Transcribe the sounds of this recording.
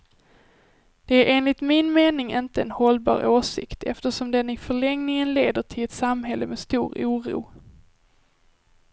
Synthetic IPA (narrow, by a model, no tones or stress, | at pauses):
d̪̥ɛæɾʔeːnlɪt̪mɪnmeːnɪŋʔɪnt̪əɛnhɔlbɑ̰ːɾʔoːʂɪ̰kt̪ʰɛ̰ft̪əʂɔmd̪ɛnɪfœɭɛŋnɪŋənleːd̪əʈʰɪlɛt̪samɦɛlːəmɛst̪uːɾuːɾṵː